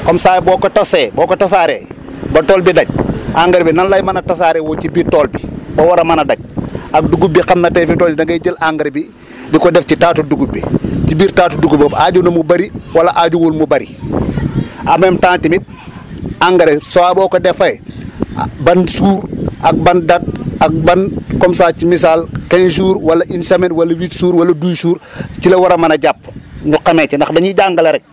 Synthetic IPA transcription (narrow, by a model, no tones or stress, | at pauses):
komsaːjboːkotaseboːkotas̬aɾe | bɐtoːlbidɐɟ̚ʔaŋɡɐɾbinanlajmanɐtas̬aɾewocibiːɾtoːlbibɐwaɾɐmanɐdaɟ̚ak̚duɡubixamnɐtefintoːinɐɡɐɟəlaŋɡɐɾbi | dikodefcitaːtuduɡubḭcibiːɾtaːtuduɡubbaɟunɐmubɐɾiwalaʔaɟuwolmubɐɾḭ | amemtãːntimit̚ | aŋɡɐɾesowaːbɔːkodɛfɐj | bɐnsuːɾʔɐk̚bɐndat̚ak̚bankɔmsaːcimis̬aːlkens̬uːɾwɐlɐʔinsɐmenwɐlɐwiːtsuːɾwɐlɐdujsuːɾcilɐwɐɾɐmɐnɐɟap̚nuqamet͡ʃndɐxdɐɲiɟaŋɡɐlɐɾɛk̚